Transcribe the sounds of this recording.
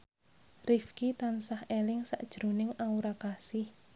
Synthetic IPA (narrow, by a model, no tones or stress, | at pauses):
rifkit̪ansahelɪŋsa̰ʔd̥ʒ̥ɾo̤nɪŋauɾakasɪh